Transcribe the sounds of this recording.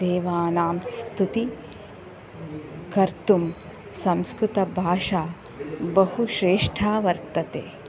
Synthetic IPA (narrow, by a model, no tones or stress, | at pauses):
d̪eːʋaːnaːmst̪ʰut̪i | kɐɾt̪um | sɐmskɾut̪ɐbʱaːʂaː | bɐhuʃɾeːʂʈʰaːʋɐɾt̪ɐt̪ḛː